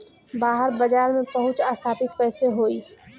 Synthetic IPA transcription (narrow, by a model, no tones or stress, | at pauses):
baːɦəɾbɐd͡ʒaːɾmẽpɐɦʊ̃t͡ʃaːst̪ʰaːpɪt̪kɛːseɦoːiː